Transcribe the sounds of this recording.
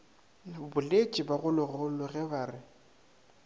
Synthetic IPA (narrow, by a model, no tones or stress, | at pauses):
bʊlet͡ʃʼɪbaɣʊlʊɣʊlʊɣɛbaːrɪ